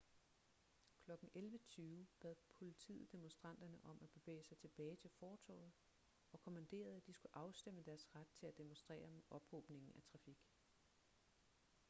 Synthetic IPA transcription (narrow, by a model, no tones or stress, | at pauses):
kʰlɒ̽ɡ̥n̩elʋət͡sʰyːʊb̥æð̰ˠpʰo̝lit͡sʰḭːð̩ˠd̥e̝monsd̥ʁɑ̈n̰d̥ɐnəʔɒ̽mʔæb̥e̝ʋḛːsɑ̈ɪt͡sʰe̝b̥ɛːɪt͡sʰe̝lfɒːt͡sʰɔ̰ð̩ˠ | ɒ̽kʰo̝mænd̥e̝̰ːɐð̞̩ˠæd̥isɡ̥uʔɑ̈ʊsd̥eməd̥æɐsʁad̥̚t͡sʰe̝læd̥e̝monsd̥ʁɛ̰ːɐmʔɒ̽b̥hɔːb̥ne̝ŋn̩æt͡sʰʁɑ̈fiɡ̥